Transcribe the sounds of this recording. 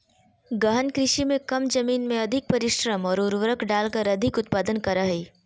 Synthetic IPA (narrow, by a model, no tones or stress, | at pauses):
ɡɐɦənkɾɪʃimẽkɐmd͡ʒɐmiːnmẽɐd̪ʱɪk̚pɐɾɪʃɾəmɔːɾʊɾʋɾəkʰɖaːlkəɾɐd̪ʱɪkʊt̪̚paːd̪ənkɐɾaɦiː